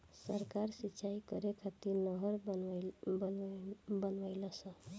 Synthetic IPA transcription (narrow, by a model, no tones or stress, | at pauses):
səɾkaɾsitːʃʰaikəɾekʰat̪iɾnəɦəɾ | bəbənʋəɪləsə̃